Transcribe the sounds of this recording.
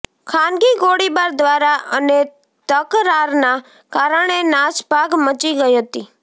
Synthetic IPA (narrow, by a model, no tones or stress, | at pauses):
kʰanɡiɡoɽibaɾd̪ʋaɾaʔəne | t̪əkɾaɾna | kaɾəɳ̃enaʃbʱaɡmət͡ʃiɡəiɦət̪i